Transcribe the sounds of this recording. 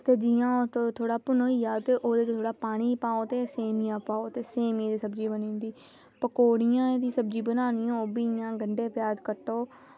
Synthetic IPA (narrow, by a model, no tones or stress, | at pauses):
t̪eːd͡ʒɪjãːot̪ot̪ʰoːɽaːpʊnoːiːaːt̪eːʔoːd̪et͡ʃt̪ʰoːɽaːpaːɽ̃iːpaːoːt̪eːseːmɪjãːpaːoːt̪eːseːmiːd̪iːsəbd͡ʒiːbənĩːnd̪iː | pəkoːɽɪjãːed̪iːsəbd͡ʒiːbənaːnɪjõːoːbiːɪjãːɡəɳɖeːpɪjaːd͡ʒkəʈːoː